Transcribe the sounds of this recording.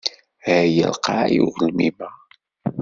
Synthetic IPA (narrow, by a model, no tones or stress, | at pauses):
æjə̰lqa̰juʁəlmimæ